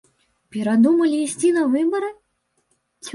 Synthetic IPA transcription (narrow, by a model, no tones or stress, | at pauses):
pʲɛɾad̪umɐlʲiːsʲt͡sʲinɐvɨbɐɾɨ | t͡sʲ